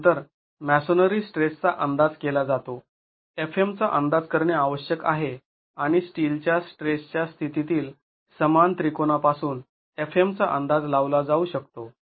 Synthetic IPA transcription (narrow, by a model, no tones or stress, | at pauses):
t̪əɾ | mæsonəɾiːsʈɾest͡saʔənd̪ad͡zkelad͡zat̪o | efʰemt͡saʔənd̪ad͡zkəɾɳjeaʋəɕjəka̰ɦe | aɽ̃isʈilt͡ɕjasʈɾest͡ɕjast̪ʰit̪it̪iːl | səmant̪ɾikonapasuːn | efemt͡saʔənd̪ad͡zlaʋlad͡zauːɕəkt̪o